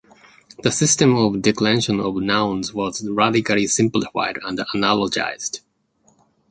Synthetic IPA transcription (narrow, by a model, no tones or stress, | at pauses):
ðəsɪstɨ̃mɔvdɪklɛ̃nʃə̃nɔvnãʊ̃nzwʌzɹædɪkəlˠisɪ̃mplɪfa̰ɪdə̃ndənalˠəd͡ʒa̰ɪz̥d̥